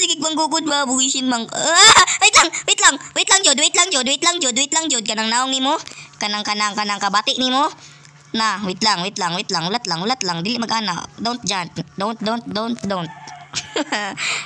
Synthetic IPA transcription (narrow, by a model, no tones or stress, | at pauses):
sɪɡɪɡ̚bɐŋɡuːk̬ʊd̪̚babʊhisɪnmaŋ | wit̪laŋwɪt̪laŋwɪt̪laŋd͡ʒod̪wit̪laŋd͡ʒod̪wit̪laŋd͡ʒod̪̚wjt̪laŋd͡ʒod̪̚kanaŋnaoŋnimokɐnaŋkanaŋkanaŋkɐbaːt̪ɪʔnimo | nawɪt̪laŋwɪt̪laŋwɪt̪laŋʊlat̪laŋʊlat̪laŋd̪iːlɪʔmɐɡʔaːnaʔd̪ont̪̚d͡ʒant̪̚d̪ont̪̚d̪ont̪̚d̪ont̪̚d̪ont̪̚